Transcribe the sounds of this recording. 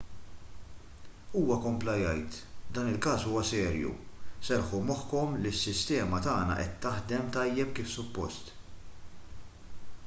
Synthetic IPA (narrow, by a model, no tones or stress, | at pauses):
uːwɐkɔmplɐjɐjt̪d̪ɐːnɪlkɐːsuːwɐsɛːɾjṵsɛɾħumɔħkɔmlisːɪst̪ɛːmɐt̪ɐːnɐ̰ʔɛt̪ːɐħd̪ɛmt̪ɐjːɛpkiːfsʊpːɔ̰st̪